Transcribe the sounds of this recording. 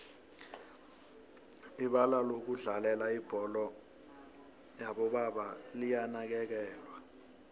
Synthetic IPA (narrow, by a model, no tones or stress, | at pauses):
iɓalalok̬uɮalɛlaib̥ʱɔlɔ | jaɓɔɓaɓalijanak̬ɛk̬ɛːlwa